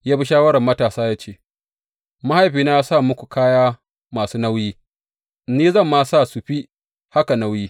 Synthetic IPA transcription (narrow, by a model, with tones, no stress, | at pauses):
jaː˦bi˦ʃaː˦wɐ˦ɾɐ˨mːɐ˦taː˨saː˦jaː˦t͡ʃeː˦˨ | ma˦ha˦jɸiː˨na˦ja˦saː˦˨mʊ˦kʷu˨kaː˦jaː˦ | maː˨suː˦na˦wjiː˦ | niː˦zɐ˦˨mːaː˦˨sa˦˨su˨ɸi˦ | ha˦ka˨na˦wjiː˦